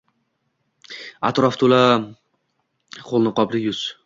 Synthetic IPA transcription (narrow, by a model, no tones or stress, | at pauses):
a̰t̪ɾɒft̪ʰola | qʰolˠnɪqʰɒbɾɪjʊz̥